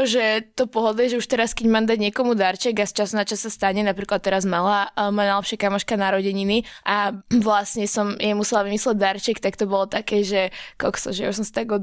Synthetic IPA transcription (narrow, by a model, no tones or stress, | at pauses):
ʒɛt̪ɔpɔɦɔd̪lɛʒɛuʃt̪ɛɾaskɛɟmaːmd̪aɟɲɪɛkɔmud̪aɾt͡ʃɛɡast͡ʃasnat͡ʃasːast̪aɲɛnapɾiːklat̪ːɛɾazmalamɔjanajlɛpʃɪakamɔʃkanaɾɔɟɛɲiniʔaʋlasɲɛsɔmjɛmusɛlaʋimislɛɟ̚d̪aɾt͡ʃɛkt̪akt̪ɔbɔlɔt̪akɛːʒɛkɔksɔ̰ʒɛa̰uʃs̬ɔmsḁt̪aɡɔ